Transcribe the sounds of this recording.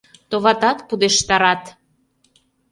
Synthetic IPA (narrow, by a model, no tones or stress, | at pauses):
t̪oβɑt̪ɑt̪pud̪eʃt̪ɑɾɑt̪